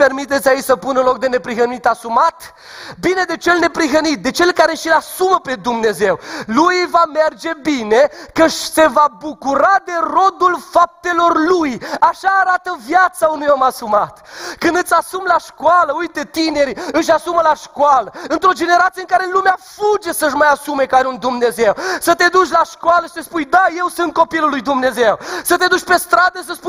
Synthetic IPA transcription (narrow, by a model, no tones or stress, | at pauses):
pe̞rmit̪et̪sʲait͡ʃʲsəpunəlo̞k̚d̪e̞ne̞pɾiɦənit̪asumat̪ | bine̞d̪e̞t͡ʃe̞lne̞pɾiɦənit̪̚d̪e̞t͡ʃe̞lkaɾe̞ʃilasuməpe̞d̪umne̞ze̞wlujvame̞rd͡ʒe̞bine̞kəʃse̞vabukuɾad̪e̞ro̞d̪ulfap̚t̪e̞lo̞rlujaʃaːɾat̪əvjat̪saunujomasumat̪kɨnd̪ɨt̪sʲasumlaʃkoaləujt̪e̞t̪ine̞ɾiɨʃ̬ʲasuməlaʃkoaləɨnt̪ɾo̞d͡ʒe̞ne̞ɾat̪sijəŋkaɾelumeafud͡ʒe̞səʃmajasume̞kaɾeund̪umne̞ze̞wsət̪e̞d̪ut͡ʃʲlaʃkoaləʃi̥t̪espujd̪aje̞wsɨnt̪̚ko̞pilulːujd̪umne̞ze̞wsət̪e̞d̪ut͡ʃʲpe̞st̪ɾad̪əsəspuj